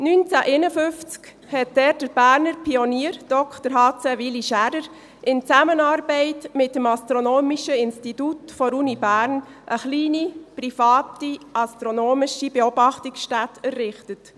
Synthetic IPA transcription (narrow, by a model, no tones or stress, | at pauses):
nynt͡sæʔenəfʏft͡sk | hɛt̚d̥ɛɾ̚d̥əɾb̥æːɾnəɾpʰiɔniːəɾd̥ɔkχtəɾɦɑːt͡sɛʋiliʃæɾəɾ | ɪnt͡sæmənɑːɾbɛɪtmɪt̚dəmɑst̪ɾonoːmiʃəɪnstitutfɔɾunibæːɾnʔəχliːnipɾifɑːtiʔɑstɾonoːmiʃibeɔbɑχtiksʃtætʰɛɾːɪχtət